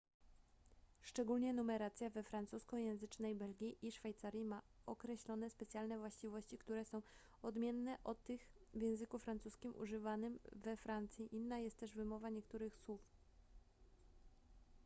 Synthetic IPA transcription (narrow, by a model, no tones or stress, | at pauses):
ʂt͡ʂɛɡulɲɛnumɛɾat̪sʲjavɛfɾant̪suskɔjɛ̃w̃zɘt͡ʂnɛjbɛlɡʲiʔiʂfajt̪saɾʲjimaɔkɾɛɕlɔnɛspɛt̪sʲjalnɛvwaɕt͡ɕivɔɕt͡ɕikt̪uɾɛsɔ̃w̃ | ɔd̪mʲjɛnːɛʔɔt̪ːɘxvʲjɛ̃w̃zɘkufɾant̪suskʲimʔṵʐɘvanɘmvɛfɾant̪sʲjiʔinːajɛst̪t̪ːɛʐvɘmɔvaɲɛkt̪uɾɘxswuf